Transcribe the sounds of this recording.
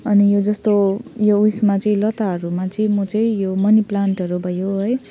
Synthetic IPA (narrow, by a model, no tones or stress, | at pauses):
ʌnijod͡zʌst̪ojousmat͡sʌĩlʌt̪aɦʌɾumat͡sʌĩmʌt͡sʌĩjomʌniplaɳʈʌɾubʱʌjoɦʌj